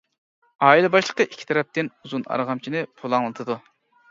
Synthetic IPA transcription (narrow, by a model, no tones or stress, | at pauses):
ɑːilˠɨbɑʃlˠə̥qəʔikʲʰːi̥t̪ʰɛɾɛp̚t̪ɪnuzunɑ̰ɾʁɑmt͡ʃʰinɪpʰolˠɑŋlˠɨt̪ʰɨd̪u